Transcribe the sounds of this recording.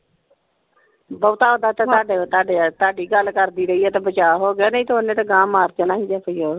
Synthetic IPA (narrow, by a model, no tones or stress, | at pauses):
bəːt̪aːɦod̪aːt̪eːt̪aːɖeːoːt̪aːɖet̪aːɖiːɡəlkəɾd̪iːɾəiːɛːt̪aːbət͡ʃaːɦoːɡeːnəĩːt̪onẽːt̪eɡãːmaːɾt͡ʃənaːɦĩːd͡ʒeːpəiːoː